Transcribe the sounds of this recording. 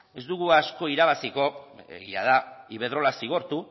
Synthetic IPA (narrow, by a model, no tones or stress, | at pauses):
e̞zd̪uɣuasko̞iɾaβasiko̞ḛɣiaðaiβe̞ð̞ɾo̞lasiɣ̞o̞ɾt̪u